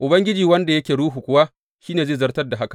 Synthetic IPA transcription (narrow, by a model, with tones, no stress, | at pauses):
ʔʊ˨bɐ˦ŋɡʲɪ˦d͡ʒiː˨wɐ˦nda˨jɐ˦kʲeː˨ɽuː˦ɦu˨kʷʊ˨˦waː˦ | ʃiː˦neː˨zeː˦˨zɐ˦rtɐ˦rda˨ɦa˦ka˨